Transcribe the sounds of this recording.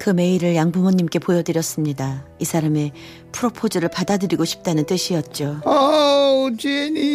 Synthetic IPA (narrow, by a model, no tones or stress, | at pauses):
kɯme̞iɾɯɭjaŋbumʌɲːimk͈e̞pojʌdɯɾjʌs͈ɯmɲidaisʰaɾame̞ | pʰuɾopʰod͡ʑʌɾɯɭpadadɯɾiɡoɕʰi̥p̚t͈anɯnt͈ɯɕʰiʌt̚t͡ɕ͈oʌ | t͡ɕeni